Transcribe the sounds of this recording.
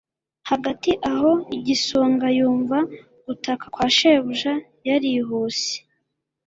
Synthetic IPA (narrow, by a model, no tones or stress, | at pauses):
haɡatiʔaɦo̞iɟisoːŋɡajuːɱva | utakakwaːʃeβuʒa | jaɾiɦuːsi̥